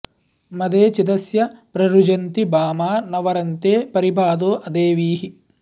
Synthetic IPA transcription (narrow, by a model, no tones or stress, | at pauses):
mɐd̪eːt͡ʃid̪ɐsjɐpɾɐɾud͡ʒɐnt̪ibaːmaːnɐʋɐɾɐnt̪eːpɐɾibʱaːd̪oːʔɐd̪eːʋiːɦi